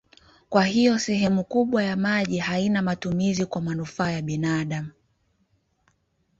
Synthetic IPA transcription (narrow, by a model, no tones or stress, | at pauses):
kwahijɔsɛɦɛmukuɓwajamaʄihainamatumizikwamanufaːjaɓinaɗam̩